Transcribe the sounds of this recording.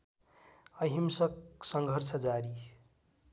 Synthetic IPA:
ʌɦimsʌksʌŋɡʱʌrsʌd͡zaɾi

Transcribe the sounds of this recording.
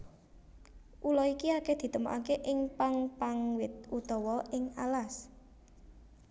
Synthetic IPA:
ʔulɔikiaked̪̥i̤t̪əmo̰ʔa̰keʔɪŋpaŋpaŋwɪt̪̚ut̪ɔwɔɪŋalas

